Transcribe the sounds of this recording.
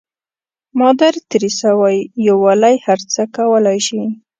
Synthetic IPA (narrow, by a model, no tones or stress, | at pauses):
mɑd̪aɾt̪ɾisawajːowalajhaɾt͡səkawəlajʃi